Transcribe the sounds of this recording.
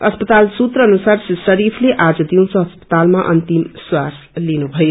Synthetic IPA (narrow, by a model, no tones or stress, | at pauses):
əspət̪alsut̪ɾəːnusaɾsəɾipʰleʔad͡zd̪iw̃sʌ̃ɦəspə̥t̪almaʔənt̪imswas | linubʱʌj